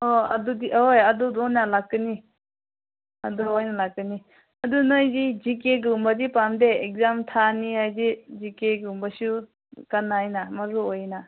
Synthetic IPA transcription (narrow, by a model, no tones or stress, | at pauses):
ɔɐdudiojɐdudojnalakːɯni | ɐduojnalakːɯni | ɐdunojzid͡ʒikeɡɯmbazipamdeek̚zamtʰanihajdid͡ʒikeɡɯmbasu | kɐnajnamɐɾuojna